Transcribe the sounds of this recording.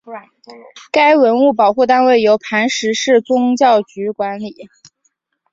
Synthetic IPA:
ka˥ɪwə˧˥nu˥˩pɑ˨˩ʊxu˥˧t̪̬a˥nwe˥˩ɪjo˧˥ʊpʰa˧˥nʂɻ̩˧˥ʂɻ̩˥˩t͡sʊ˥ŋt͡ɕjɑ˥˩ʊt͡ɕy˧˥kwa˧˥nli˨˩˦

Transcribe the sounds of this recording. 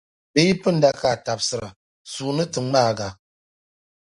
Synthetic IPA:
be˦ji˦pɨ˦n̩˦da˦ka˨ta˨p̚sɨ˨ɾa˨ | suː˨nɨ˦tɨ˨˦ŋ͡ma˦˨ɡa˨

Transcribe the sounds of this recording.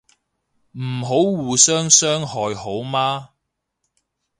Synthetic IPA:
m̩˨˩ɦo˨˥wwuː˨˩sœː˥ŋsœː˥ŋhɔː˨jho˨˥wmaː˥

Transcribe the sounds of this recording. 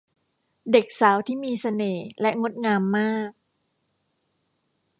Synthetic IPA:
de˨˩k̚saː˩˦wt̪ʰiː˥˩miː˧sa˧neː˨˩lɛ˦˥ŋo˦˥t̪̚ŋaː˧mːaː˥˩k̚

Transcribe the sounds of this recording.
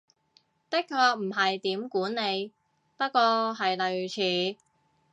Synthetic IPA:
t̪ɪ˥k̚kʰːɔː˧k̚m̩˨˩ɦɐ˨jt̪iː˨˥mkuː˨˥nːe˨˧j | pɐ˥t̚kːɔː˧ɦɐ˨jlɵ˨ɥt͡sʰiː˨˧˥

